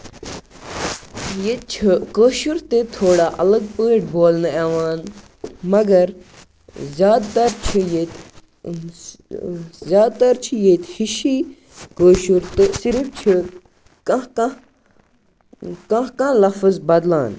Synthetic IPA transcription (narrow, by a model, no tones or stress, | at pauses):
jet͡ʃʰikəːʃuɾt̪et̪ʰoːɽaːʔɐ̰lɐɡ̚pəːʈ̚boːlnɐeːʋaːn | mɐɡɐɾ | zʲjaːd̪t̪ɐɾt͡ʃʰijet̪ | zʲjaːd̪̚t̪ɐɾt͡ʃʰijet̪hiʃiː | kəːʃuɾt̪ɨsiɾɨft͡ʃʰi | kɐ̃ka | kɐ̃kãːlɐfəzbɐd̪laːn